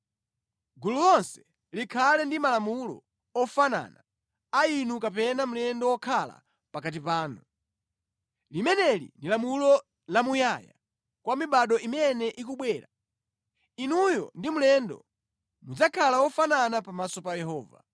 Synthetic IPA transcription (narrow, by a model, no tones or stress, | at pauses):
ɡululɔnsɛ̥ | likʰalɛndimalamulɔ̰ | ɔfana̰ːna | ainukapɛnam̩lɛndɔwɔkʰala̰ | pakat̬ipaːnu | limɛnɛlḭndilamulɔ | lamujaja̰ | kwamiɓaɗɔimɛnɛʔikuɓwɛːɾa | inujɔ̰ndimulɛndɔ̰ | mud͡zakʰalawɔfananapamasɔpajɛɦɔːva̰